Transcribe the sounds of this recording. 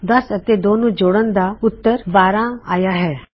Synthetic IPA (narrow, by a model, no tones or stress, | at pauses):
d̪ɐsət̪ed̪oːnũːd͡ʒoːɽənd̪aːʊt̪ːəɾbaːɾãːa̰ːjaːɦɛː